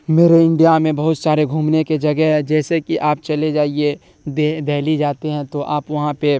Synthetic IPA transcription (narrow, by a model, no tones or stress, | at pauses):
meːɾeɪ̃ɳɖijamẽbɐɦʊt̪t͡ʃaːɾeɡʱuːmneked͡ʒɐɡɛɦɦɛd͡ʒɛːsekiʔaːp̚t͡ʃɐled͡ʒaːie | d̪ed̪ʱɛːlid͡ʒaːt̪eɦɛ̃t̪oʔaːpʋɐɦãpe